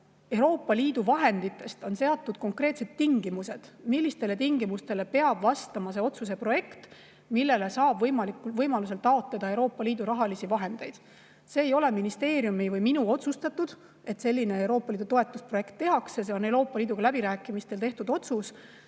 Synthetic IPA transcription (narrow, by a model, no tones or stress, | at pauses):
e̞wɾo̞ːpːˑɑliːd̪̥uvɑɦe̞nd̪̥it̪ˑːe̞st̪o̞nse̞ɑt̪ːud̪̥ko̞ŋkre̞ːt̪se̞t̪ːiŋɡ̥imuse̞d̪̥milʲːist̪e̞le̞t̪iŋɡimust̪e̞le̞pe̞ɑb̥vɑst̪ɑmɑse̞o̞t̪sus̬e̞pro̞je̞kt̪ | milːe̞le̞sɑːb̥vɤjmɑlikuvɤjmɑlus̬e̞lt̪ːɑo̞t̪led̪̥ɑe̞wɾo̞ːpːɑliːd̪uɾɑɦɑlisivɑɦe̞nd̪̥e̞jd̪̥ | se̞ːjo̞le̞minist̪e̞ːɾjumivɤjminuo̞t̪sust̪ɑt̪ːud̪̥ | e̞t̪se̞lʲːine̞ewɾo̞ːpːˑɑliːd̪ut̪o̞e̞t̪ːˑuspro̞je̞kt̪ːe̞ɦɑksjɑs̬eo̞ne̞wɾo̞ːpːˑɑliːd̪uɡɑlæbiɾæːkːˑimist̪e̞lt̪e̞ht̪ud̪o̞t̪sus